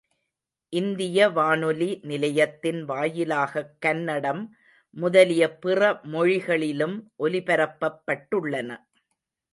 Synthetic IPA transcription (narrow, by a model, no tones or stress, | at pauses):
ʔɪnd̪ɪjɐʋaːnɯlinɪlɐjɐt̪ːɪnʋaːjɪlaːɣɐkːɐnːɐɽɐmː | ʊðɐlɪjɐpɪrɐmɔɻɪɣɐɭɪlɯmʔɔlɪpɐɾɐpːɐpːɐʈːɯɭːɐnɐ̰